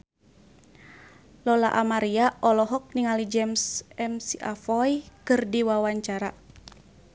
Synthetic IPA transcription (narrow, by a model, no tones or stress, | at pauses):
lɔla̰ʔamaɾiaʔɔlɔɦɔk̚niŋalid͡ʒɛmsɛmsiʔafɔjkɨrdiwawaɲt͡ʃaɾa